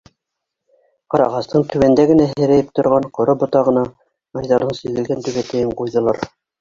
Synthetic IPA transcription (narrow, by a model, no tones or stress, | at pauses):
qɑɾɑʁɑst̪ɤɴt̪ʰʉwænd̪æɡɘ̆næɦɘ̆ɾæjɘp̚t̪ŏɾʁɑɴqŏɾobŏt̪ɑʁɤ̆nɑ | ɑjðɑɾðɤɴsɵ̆ðɘ̆lɡænt̪ʉβæt̪æjɘɴqujðɤ̆lˠɑɾ